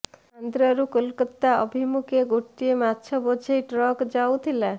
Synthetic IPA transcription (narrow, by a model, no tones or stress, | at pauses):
and̪ɾɔɾukolkət̪ːaɔbʱimukʰeɡoʈːiemat̪ːʃʰɔbod͡ʒʰʱejʈɾɔkd͡ʒawt̪ʰila